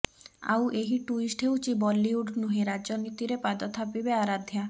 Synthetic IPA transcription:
a̰wʔeɦiʈuisʈʰewt͡ʃibɔlːiuɖnuɦẽɾad͡ʒɔnit̪iɾepad̪ɔt̪ʰapibeaɾad̪ʱja

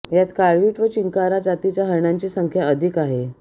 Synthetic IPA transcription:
jat̪kaɭʋiːʈʋət͡ɕiŋkaɾad͡zat̪it͡ɕjaɦəɾɳaɲt͡ɕiːsəŋkʰjaəd̪ʱikaɦe

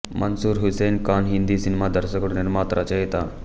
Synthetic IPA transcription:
mʔənsuːɾɦusenkaːnɦind̪isinemad̪əɾsəkəɽuneɾmaːt̪ɾʔat͡ɕaɦet̪a

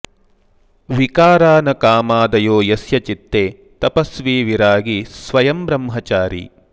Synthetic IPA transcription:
ʋikaːɾaːnɐkaːmaːd̪ɐjoːjɐsjɐt͡ʃit̪ːeː | t̪ɐpɐsʋiːʋiɾaːɡisʋɐjɐmbɾɐmɦɐt͡ʃaːɾḭ

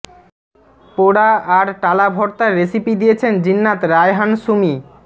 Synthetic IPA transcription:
poɽaaɾʈalabʱɔɾt̪aɾːesipid̪ijet͡ɕʰend͡ʑinːat̪ɾajɦanʃumi

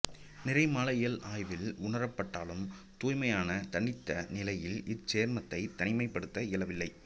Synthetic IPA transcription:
nɪrɐɪmaːlɐɪjɐlaːjʋɪlʊɳɐɾɐpːɐʈːaːlɯm | t̪uːjmɐjaːnɐt̪ɐɳːɪt̪ːɐnɪlɐjɪlɪt͡ʃeːɾmɐt̪ːɐɪt̪ːɐɳɪmɐɪpːɐɽɯt̪ːɐɪlɐʋɪlːɐɪ

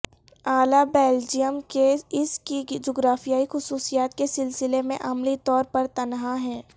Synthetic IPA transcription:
aːlabeːld͡ʒijəmkeɪskid͡ʒoːɡɾaːfijaːixʊsuːsijaːt̪kesɪlsɪlemẽʔɐmlit̪ɔːɾpɐɾt̪ɐnɦaɦɛ̃ː

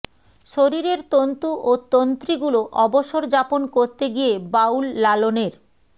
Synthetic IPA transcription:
ʃoɾiɾeɾt̪ont̪uʔot̪ont̪ɾiɡuloʔɔboʃoɾd͡ʑaponkoɾt̪eɡijebawlːaloneɾ

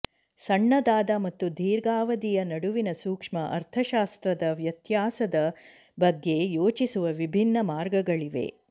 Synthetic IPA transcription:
sɐɳːɐd̪aːd̪ɐmɐt̪ːud̪ʱiːɾɡaːʋɐd̪ijɐnɐɽuʋinɐsuːkʂmɐʔɐ̰ɾt̪ʰɐʃaːst̪ɾɐd̪ɐʋjɐt̪jaːsɐd̪ɐ | bɐɡːe̞joːt͡ʃisuʋɐʋibʱinːɐmaːɾɡɐɡɐɭiʋe̞̰

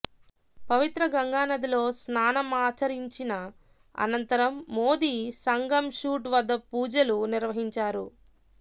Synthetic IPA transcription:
pɐʋit̪ɾɐɡɐŋɡaːnɐd̪ilo̞ːsnaːnɐmaːt͡ʃɐɾiɲt͡ʃinɐ | ɐ̰nɐnt̪ɐɾɐmːo̞ːd̪iːsɐŋɡɐmʃuːʈʋɐd̪ːɐpuːd͡ʒɐluniɾʋɐɦiɲt͡ʃaːɾu

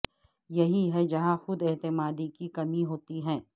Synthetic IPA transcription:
jɐɦiɦɛd͡ʒɐɦãxʊd̪ɛt̪ɪmaːd̪ikikɐmiɦoːt̪iɦɛ̃ː

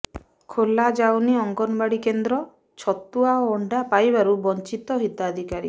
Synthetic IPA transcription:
kʰolad͡ʒawniɔŋɡɔnɔbaɽikend̪ɾɔ | t͡ʃʰɔt̪ːuaoːɳɖapajbaɾubɔnt͡ʃit̪ɔɦit̪ad̪ʱikaɾḭ

